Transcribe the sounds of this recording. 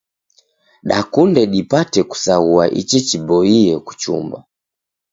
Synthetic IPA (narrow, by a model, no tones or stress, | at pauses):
ɗakundɛɗipatɛku̥saua̰ʔḭt͡ʃɛt͡ʃibɔiɛku̥t͡ʃṵmba̰